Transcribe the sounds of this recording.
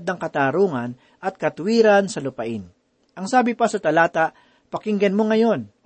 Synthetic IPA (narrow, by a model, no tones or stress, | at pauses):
d̪̚nɐŋkɐt̪aːɾuːŋɐn | ʔɐt̪̚kɐt̪ʊwiːɾansɐlʊpɐʔɪn | ʔɐŋsaːbɪpasɐt̪ɐlaːt̪aʔ | pɐkɪŋɡɐnmoŋɐjo̞n